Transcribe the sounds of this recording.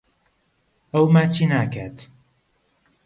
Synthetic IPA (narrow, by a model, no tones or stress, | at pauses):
ɐwmaːt͡ʃinaːkʰat̪